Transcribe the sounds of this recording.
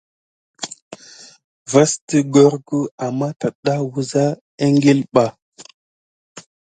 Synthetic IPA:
va˦sti˦ɡo˦ɾɡu˦a˨mːa˦ta˨ɗa˦wu˨za˦ | e˦ŋɡe˦lɓa˨

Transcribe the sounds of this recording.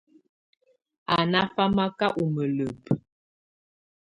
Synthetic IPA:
a˨na˦fa˦ma˦ka˦ʔu˨mə˨lə˨p

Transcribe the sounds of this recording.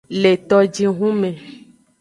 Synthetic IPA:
le˨t̪ɔ˦d͡ʒi˦ɦũ˦mẽ˨

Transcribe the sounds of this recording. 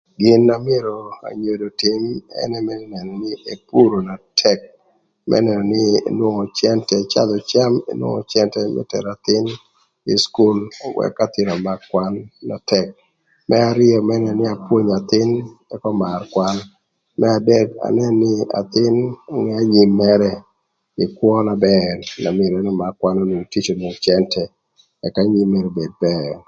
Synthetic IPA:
ɡɪ˦na˦mɪ˦e˦ɾo˨a̰˨ɲo˨do˨tɪ˦mɛ̰˦nɛ˦mɛ˦nɛ˨nɔ˨nɪ˦e˨pu˦ɾo˨na˨tʰɛ˦k̚ | mʔɛ̰˦nɛ˨nɔ˨nɪ˦ḛ˨nwo˦ŋɔ˨t͡ʃjɛ˦ntɛt͡ʃa̰˦d̪ɔ˨t͡ʃa˦mḛ˦nwo̰˦ŋɔ̰˨t͡ʃɛ˦ntɛ˦mɛ̰˦tɛ̰˨ɾa˨t̪ɪ˦n | ɪ˨sku˦lwɛ̰˦kːat̪ɪ˨ɾa˨ma˨kːwa˦nːa˨tɛ˨k̚ | mʔɛ˦a˨ɾɪ˦ɔ˨mɛ˦nɛ˨nɪ˦a˨pwo˦ɲa˨t̪ɪ˦nɛ˦kɔ˦ma˨rkwa˦n | mɛ˦a˨dɛ˦da̰˨nɛ˦nːɪ˦a̰˨t̪ɪ˦nɔ˦ŋɛ˦a˦ɲi˨mːɛ˦ɾɛ˦ | ɪ˨kwɔ˦na˨bɛɾna˨mɪ˨ɾɛ˦nɔ˦ma˨kːwa˦no˦no˨ŋti˦t͡ʃo˨no˨ŋt͡ʃjɛ˦ntʰɛ˨ | ɛ˨ka˦ɲi˦me˨ɾo˨be˨d̚bɛr

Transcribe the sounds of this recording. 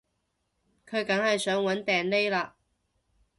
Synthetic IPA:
kʰɵ˨˧ɥkɐ˨˥ŋhɐ˨jsœː˨˥ŋwɐ˨˥nt̪ɛː˨˩nle˥jlaː˧

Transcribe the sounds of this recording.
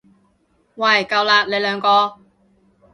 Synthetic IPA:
wɐ˨˩jkɐ˧wlaː˧le˨˧jlœː˨˧ŋkɔː˧

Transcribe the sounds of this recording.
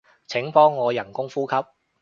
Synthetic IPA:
t͡sʰɪ˨˥ŋpɔː˥ŋːɔː˨˧jɐ˨˩nkʊ˥ŋfuː˥kʰɐ˥p̚

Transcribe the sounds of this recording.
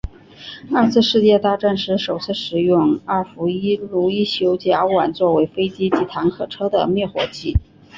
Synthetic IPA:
a˞˥˧t͡sʰɹ̩˥˧ʂɻ̩˥˧t͡ɕjɛ˥˧t̪a˥˧ʈ͡ʂa˥˩nʂɻ̩˧˥ʂo˨˩ʊt͡sʰɹ̩˥˩ʂɻ̩˨˩jʊ˥˩ŋa˥˩fu˧˥i˥lu˧˥i˥˩ɕjo˧˥ʊt͡ɕja˧˥wa˨˩nt͡swɔ˥˩we˧˥ɪfe˥ɪt͡ɕi˥t͡ɕi˧˥t̪ʰa˧˥ŋkʰɤ˨˩ʈ͡ʂʰɤ˥d̪ə̰˨mjɛ˥˩xwɔ̰˧˥t͡ɕi˥˩

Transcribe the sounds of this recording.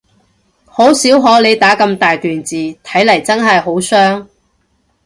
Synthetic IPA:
ho˨˥wsiː˨˥wɦɔː˨˥le˨˧jt̪aː˨˥kɐ˧mt̪aː˨jt̪yː˨nt͡siː˨t̪ʰɐ˨˥jlɐ˨˩jt͡sɐ˥nɦɐ˨jɦo˨˥wsœː˥ŋ

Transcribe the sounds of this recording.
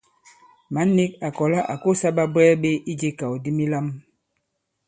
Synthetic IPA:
ma˨˦ni˦k̚a˨kɔ˨la˦ʔa̰˨ko˦˨sa˦ɓa˦bɛː˦ɓe˦ʔi˦d͡ʒe˦ka˨wdi˦mi˦la˦m

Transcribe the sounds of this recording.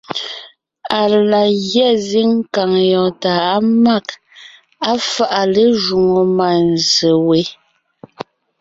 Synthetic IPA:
a˨la˨ɣjɛ˦˨zi˦ŋ̩˦ka˨ŋjɔ˨ta˨a˦ma˦˨k | a˦fa˦˨ʔa˨le˦ʒu˨ŋo˨ma˨n˨zə˨we˨˦

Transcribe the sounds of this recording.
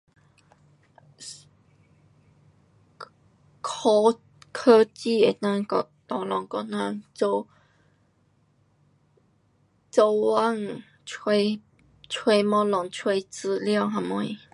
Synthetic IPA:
kʰo˧ | kʰə˦˧t͡ɕi˥˧˨e˨˩t̪ã˧ŋkɔ˧ | t̪ɔ˨˩lɔ˨˩ŋkɔ˧nã˧ŋt͡so˧ | t͡so˧wwa˦˧ŋʰ˨ | e˧ | t͡sʰwe˧mɔ̃˧lɔ˨˧˩ŋt͡sʰwe˧t͡s̩˧lja˥˧˨ɦã˧˩mo˧˨˩i˨˦

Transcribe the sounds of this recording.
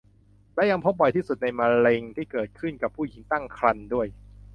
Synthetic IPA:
lɛ˦˥ja˧ŋpʰo˦˥p̚bɔ˨˩jt̪ʰiː˥˩su˨˩t̪̚na˧jma˧ɾe˧ŋt̪ʰiː˥˩kɤː˨˩t̪̚kʰɯ˥˩nka˨˩pʰːuː˥˩ji˨˩˦ŋt̪a˥˩ŋkʰɾa˧ndu˥˩əj

